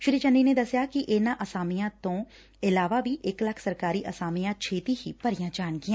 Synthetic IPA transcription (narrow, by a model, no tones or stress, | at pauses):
ʃɾiːt͡ʃənːiːneːd̪əsjakiʔɪːnãːʔəsaːmijãːt̪õː | ɪlaːʋaʋiːʔɪkləkʰsəɾkaːɾiːʔəsaːmijãːt͡ʃʰeːt̪iɦiːpəɾɪjãːd͡ʒaːnkiãː